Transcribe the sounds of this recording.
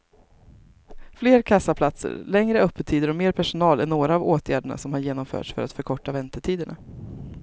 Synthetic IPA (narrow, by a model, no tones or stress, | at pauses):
fleːɾkʰasapʰlat̪sə̰ɾlɛŋɾəœpʰːət̪ʰiːd̪əɾɔmeːɾpʰæʂʊnɑːlɛnoːɾaːvoːt̪ʰjæːɖəɳa̰sɔmhaɾjeːnɔmfœ̰ːʈʂfœ̰ɾa̰t̪fœɾkʰɔʈːavɛnt̪əʈʰiːd̪əɳa̰